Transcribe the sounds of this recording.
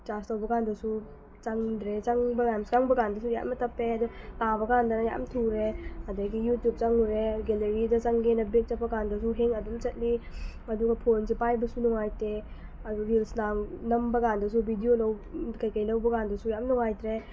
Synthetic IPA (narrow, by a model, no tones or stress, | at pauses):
tastɐwbɐkandɐsu | t͡ʃaŋdɾet͡ʃaŋbɐɡanskaŋbɐkandɐs̬uja̰mɐtʰɐpːeɐdɔtabɐɡandɐnɐja̰mtʰuɾeɐdaɡijutjup̚t͡ʃaŋuɾeɡeleɾidɐt͡ʃaŋɡenɐbek̚t͡ʃɐpːɐkandɐs̬uɦeŋɐdumt͡ʃɐt̚liɐduɡɐpʰonsipajbɐsunɔŋajte | ɐduɾilsnamnɐmbɐkandɐs̬ubʱidijolɐwkɐjkɐjlɐwbɐkandɐsujamnɔŋajtɾe